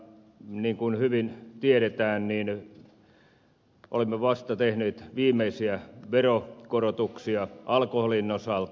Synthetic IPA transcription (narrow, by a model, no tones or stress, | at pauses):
niːŋkunhyʋint̪ieɾet̪æːnniːn | ʔo̰lemːeʋɑst̪ɑt̪ehneːt̪ʋiːmˑeisiæʋerokorot̪uksiɑʔɑlkoholinːosɑlt̪